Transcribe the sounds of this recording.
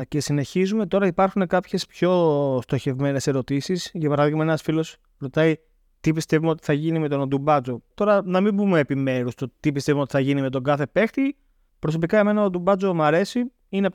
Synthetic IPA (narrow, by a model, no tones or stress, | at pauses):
ce̞sine̞çizume̞t̪o̞ɾɐipɐɾxune̞kɐpçe̞spço̞st̪o̞çe̞vme̞ne̞se̞ɾo̞t̪isisʝɐpɐɾɐðiɣmɐenɐsfilo̞s | ɾo̞t̪ɐi | t̪ipist̪e̞vumeo̞t̪i̥θɐʝinimet̪o̞nod̪umbɐt͡so̞t̪o̞ɾɐnɐmimbume̞ːpime̞ɾust̪ot̪ipist̪evumeot̪i̥θɐʝinime̞t̪o̞ŋɡɐθe̞pe̞xt̪i | pɾo̞so̞pikɐeme̞nɐod̪umbɐt͡so̞mɐɾe̞si | ine